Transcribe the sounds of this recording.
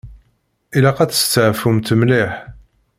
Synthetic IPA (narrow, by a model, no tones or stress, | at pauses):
ilæqæt͡sə̥st͡s̪ːəʕfumt̪əmliħ